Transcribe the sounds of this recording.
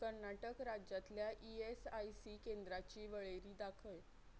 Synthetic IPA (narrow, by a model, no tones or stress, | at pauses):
kəɾnaʈəkɾad͡ʑjat̪ljaʔiesajsiːkend̪ɾat͡ɕiːʋəɭeɾiːd̪akʰəj